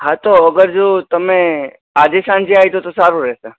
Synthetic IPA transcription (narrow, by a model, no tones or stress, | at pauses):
ɦãt̪oəɡəɾd͡ʒot̪əme | ad͡ʒesãnd͡ʒiaɦjt̪ot̪osaɾuɾɛse